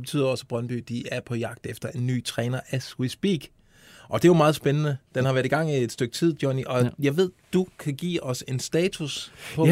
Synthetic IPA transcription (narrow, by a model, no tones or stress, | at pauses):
eb̥e̝̥t͡sʰy̰ːð̰ˠɒ̽səb̥ʁɶnb̥y̰ːd̥iæɐpʰɒ̽jɑ̈ɡ̥̚d̥efd̥ɐe̝nːy̰ːt͡sʰʁɛːnɐʔæsʁisb̥ḭɡ̥ | ʔɒ̽d̥e̝jomɑ̈ːðˠsb̥enənəd̥enhɑʋæɐðˠiɡ̥ɑ̈ŋ̰ie̝d̥sd̥øɡ̥̚t͡sʰið̞̰ˠd̥jɒniʔɒ̽jɑ̈ɪʋe̝ð̞̰ˠd̥ukʰæɡ̥ḭːɒ̽se̝nsd̥ɛːt͡sʰuspʰɒ